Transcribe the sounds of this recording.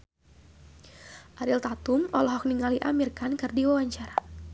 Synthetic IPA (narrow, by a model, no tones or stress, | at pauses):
ʔaɾilt̪at̪umɔ̰lɔɦɔk̚niŋaliʔamirkankɨrdiwawaɲt͡ʃaɾa